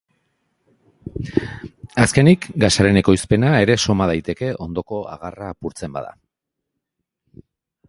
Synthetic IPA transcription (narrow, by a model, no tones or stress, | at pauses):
aske̞nikɡasaɾe̞ne̞ko̞jspe̞nae̞ɾe̞so̞mað̞ajt̪e̞ke̞ʔo̞nd̪o̞ko̞a̰ɣaraːpuɾt͡se̞mba̰ða̰